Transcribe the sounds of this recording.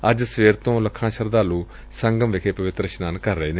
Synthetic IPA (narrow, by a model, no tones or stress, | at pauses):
əd͡ʒsʋeːɾt̪õːləkʰːãːʃəɾd̪aːlũː | səŋɡəmʋɪkʰeːpəʋɪt̪ɾəʃnaːnkəɾːəeːne